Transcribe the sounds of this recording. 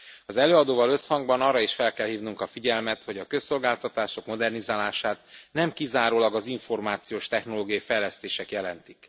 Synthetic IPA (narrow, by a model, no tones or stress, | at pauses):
ɒzɛløːɒd̪oːvɒlø̞shɒŋɡbɒnɒːrːɒiʃfɛlkɛlhiːvnuŋkɒfiɟɛlmɛt̪ho̞ɟɒkø̞sːo̞lɡaːlt̪ɒt̪aːʃo̞kmo̞d̪ɛrnizaːlaːʃaːt̪nɛmkizaːɾoːlɒɡɒziɱfo̞rmaːt̪sijoːʃt̪ɛxno̞loːɡijɒifɛjlɛst̪eːʃɛkjɛlɛnt̪ik